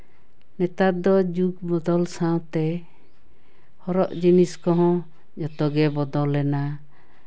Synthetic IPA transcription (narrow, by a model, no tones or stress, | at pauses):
nɛt̪at̪̚d̪ɔd͡ʒuɡbɔd̪ɔlsaw̃t̪ɛ | hɔɾɔʔd͡ʒiniskɔɦɔ̃ | d͡ʒɔt̪ɔɡɛbɔd̪ɔlːɛna